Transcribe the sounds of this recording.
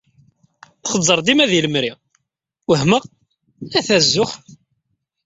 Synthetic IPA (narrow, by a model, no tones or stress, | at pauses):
θχəzˤːəɾˤd̪imæðiləmɾi | wəhməʁ | æθæzːʊχ